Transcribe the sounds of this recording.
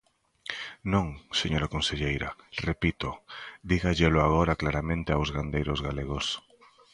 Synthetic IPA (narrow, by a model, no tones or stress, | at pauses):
nõŋseɲoɾakonseʎejɾarepit̪od̪iɣaʎelʊaɣoɾaklaɾamẽnt̪ɪawzɣand̪ejɾozɣaleɣ̞os